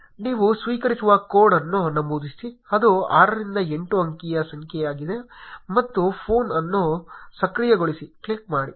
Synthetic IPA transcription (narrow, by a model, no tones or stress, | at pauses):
niːʋusʋiːkɐɾisuʋɐkoːɽɐnːunːɐmbuːd̪isiɐd̪uaːɾɐɾind̪ɐe̞ɳʈuɐŋkijɐsɐŋkʰɛjaːɡid̪e̞mɐt̪ːupʰoːnɐnːusɐkɾijɐɡoɭisikɭik̚maːɽi